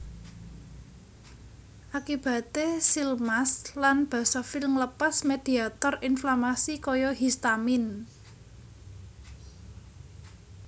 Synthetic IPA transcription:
ʔakib̥a̤t̪esilmaslanb̥ä̤sɔfiləŋləpasmed̪̥i̤at̪ɔrinflamasikɔjɔɦist̪amɪn

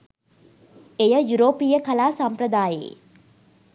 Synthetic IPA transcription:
ejəjuɾoːpijəkalaːsampɾəd̪aːjḛː

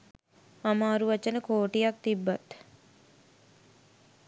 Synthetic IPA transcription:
amaːɾuʋat͡ʃənəkoːʈijak̚t̪ibːat̪

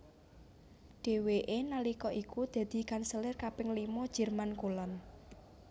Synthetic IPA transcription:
ɖ̥e̤weʔenalikɔʔikud̪̥ä̤d̪̥i̤kansəlɪrkapɪŋlimɔd̥ʒ̥ə̤rmankulɔn

